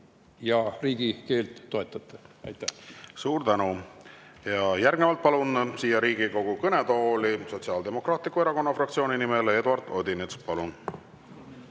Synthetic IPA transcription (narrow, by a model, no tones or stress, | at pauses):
jɑriːɡ̥ike̞ːlt̪ːo̞e̞t̪ːˑɑt̪ˑːeɑ̰jt̪ːˑæsuːɾd̪ænu | jɑjæɾɡ̥nevɑlt̪̚pɑlunsiːjɑɾiːɡ̥iko̞ɡ̥ukɤne̞d̪oːliso̞t̪ʲsiɑːld̪e̞mo̞krɑːt̪ˑlikːˑueɾɑko̞nːɑfrɑkt̪sio̞ːninimele̞d̪uɑrd̪̥o̞d̪inet̪spɑlun